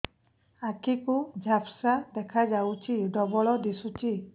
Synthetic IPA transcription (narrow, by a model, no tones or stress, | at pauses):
akikud͡ʒʱapsad̪ɛkʰad͡ʒawt͡ʃʰiɖɔbɔɭɔd̪isut͡ʃʰi